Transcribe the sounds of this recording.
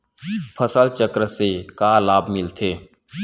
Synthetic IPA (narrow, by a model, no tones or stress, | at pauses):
pʰəsəlt͡ʃəkɾəsekaːlaːbmɪlt̪ʰeː